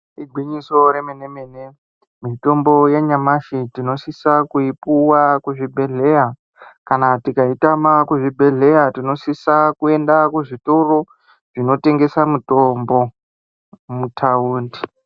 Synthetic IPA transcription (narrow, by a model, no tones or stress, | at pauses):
iɡʱwiɲiso̞ɾemenemene | mito̞mbo̞jeɲamaʃitino̞sisakuipuwakuʐibʱe̞ɮe̞ja | kanatikaitamakuʐibʱe̞ɮe̞jatino̞sisakue̞ndakuʐito̞ro̞ | ʐ̥ino̞te̞ŋɡe̞samutombo̞ | mutʰauːndi̥